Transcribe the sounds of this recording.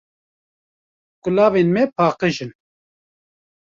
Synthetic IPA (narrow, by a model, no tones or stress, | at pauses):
kʊlɑːvenmɛpʰɑːqɨʒɨn